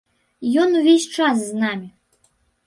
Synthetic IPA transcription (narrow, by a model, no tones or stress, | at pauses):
jɔnuvʲesʲt͡ʂasːnamʲi